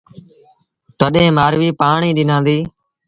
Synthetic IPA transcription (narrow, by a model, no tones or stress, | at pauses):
t̪əɗẽːmaːɾʋiːpaːɳiːɗɪnãːnd̪iː